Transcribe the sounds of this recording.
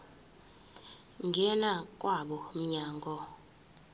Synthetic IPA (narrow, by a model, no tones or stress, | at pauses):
ŋɡʱɛnakʼwaɓɔm̩ɲaːŋɡɔ